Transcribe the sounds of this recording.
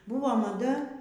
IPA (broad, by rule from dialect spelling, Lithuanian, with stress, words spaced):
ˈbuːʋoː mɐˈdɐ